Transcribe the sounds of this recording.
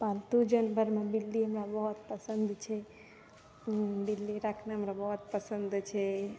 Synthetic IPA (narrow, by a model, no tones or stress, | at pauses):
palt̪ud͡ʒənbʱəɾmãbɪlːiəmɾabɔɦɔt̪̚pəsənd̪t͡ʃʰe | bɪlːiɾakʰnaəmɾabəɦɔt̪̚pəsənd̪t͡ʃʰe